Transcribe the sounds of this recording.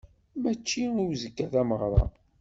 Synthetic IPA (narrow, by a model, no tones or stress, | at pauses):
mæt͡ʃːiiwzəkːæðæməʁɾˤɑ̰